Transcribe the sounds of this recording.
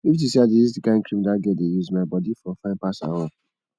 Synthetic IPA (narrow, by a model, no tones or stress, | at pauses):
ifdisiadejuzdiɡãn̩kʰɾĩmdaɡɛtdejuzmaɪbɔdifɔfãɪ̃npasa̰wɔ̃